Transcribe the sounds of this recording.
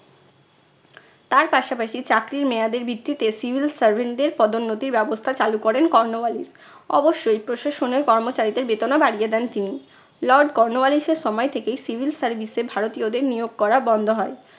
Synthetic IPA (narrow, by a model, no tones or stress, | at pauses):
t̪aɾpaʃapaʃit͡ɕakɾiɾmead̪eɾbʱit̪ːit̪esibʱilsaɾbʱeɳɖeɾpɔd̪onːot̪iɾbɛbost̪ʰat͡ɕalukoɾenkɔɾnobalis | ɔ̰boʃːojpɾoʃaʃoneɾkɔɾmot͡ɕaɾid̪eɾbet̪onabaɽied̪ɛnt̪ini | lɔɾɖkɔɾnobaliʃeɾʃɔmɔet̪ʰekejsibʱilsaɾbʱisebʱaɾot̪iod̪eɾnijoɡ̚kɔɾabɔnd̪ʱoɦɔe